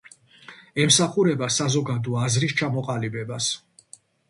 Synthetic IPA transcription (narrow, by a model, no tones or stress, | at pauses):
ɛmsaχuɾɛbasazɔɡad̪ɔazɾist͡ʃʰamɔqʼalibɛbas